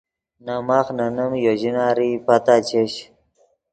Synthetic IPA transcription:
namaxnanəmjoʑinaːɾipat̪at͡ɕeɕ

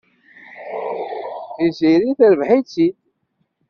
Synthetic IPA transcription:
θiziɾiθəɾəvħit͡sːi

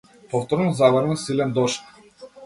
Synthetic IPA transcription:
pɔft̪ɔɾnɔzavəɾnusilɛnd̪ɔʃk

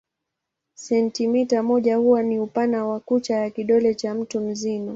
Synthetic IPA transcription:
sɛntimitamɔʄahuwaniupanawakut͡ʃajakiɗɔlɛt͡ʃam̩tum̩zima

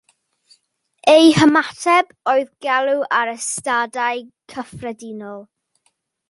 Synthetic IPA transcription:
ejhəmatʰɛb | oɨðɡɛlˠuʔaɾəstadajkʰəfrɛdɪnɔlˠ

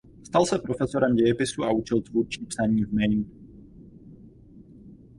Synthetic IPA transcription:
st̪alsɛpɾo̞fɛsoɾɛmɟɛjɛpɪsuaut͡ʃɛlt̪vuɾt͡ʃipsaɲiːvmɛjn

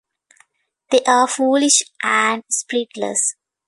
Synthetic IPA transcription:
d̪eːʔaːfuːlɪʃʔæ̃ɳɖspɾiʈlə̰s

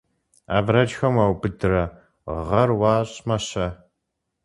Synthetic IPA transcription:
a̰ːvrɐd͡ʒxɐmawbɨdɨrɐ | ʁɐrwɑːɕʼmɐɕɐ

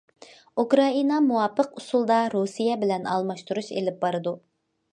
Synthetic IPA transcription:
ukɾɑinɑmuwɑpːəqusulˠd̪ɑɾusijɛbɪlɛnɑ̰lˠmɑʃt̪uɾuʃḛlɪp̚bɑɾɨd̪u

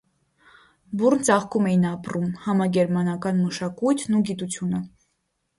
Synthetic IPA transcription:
burnt͡sɑχkumɛjinɑprumhɑmɑɡɛɾmɑnɑkɑnməʃɑkujt̪ʰnuɡit̪ut͡sʰjunə

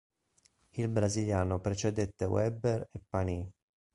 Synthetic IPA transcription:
ilbɾaziljaːnopɾet͡ʃed̪et̪ːewɛberepːani

